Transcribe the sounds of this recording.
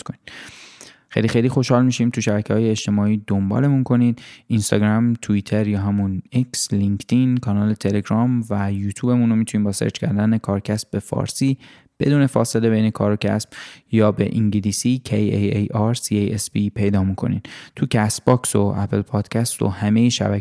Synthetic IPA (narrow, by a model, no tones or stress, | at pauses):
konid̪̥ | xejlixejlixo̞ʃhɒːlmiːʃiːmt̪ʰuʃæbækcʰehɒːje̞eʃt̪e̞mɒːiːd̪ombɒ̰ːle̞munkʰo̞niːd̪̥inst̪ɒ̰ɡɾæmt̪ʰuiːt̪ʰe̞ɾjɒːɦæmuneksliŋkt̪ʰinkʰɒːnɒːle̞t̪ʰe̞le̞ɡɾɒːmvæjuːt̪ʰjuːbe̞muno̞mit̪ʰuniːmbɒːsḛɾt͡ʃcʰæɾd̪æne̞kʰɒːɾcʰæsbe̞fɒ̰ːɾsiː | b̥e̞d̪uːne̞fɒːse̞le̞be̞jnekʰɒːɾocʰæ̰sb̥jɒːbḛʔiŋɟiliːsiːcʰejejejɒɾsiejespipʰe̞jd̪ɒːmukʰo̞̰nḭd̪̥t̪ʰucʰæs̚b̥ɒːksoʔæpʰelpʰɒːd̪̥cʰæst̪o̞̰hæmejeʃæ̰bæ